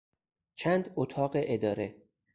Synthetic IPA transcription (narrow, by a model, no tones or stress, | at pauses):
t͡ʃʰæːnd̪ot̪ʰɒːɢeʔed̪ɒːɾe